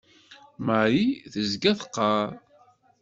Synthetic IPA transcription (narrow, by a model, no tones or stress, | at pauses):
məʕɾiθəzɡæθə̥qːɑɾ